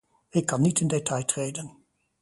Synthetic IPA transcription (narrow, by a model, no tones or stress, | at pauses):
ɪkːɑnːitɪndetɑjtrejdən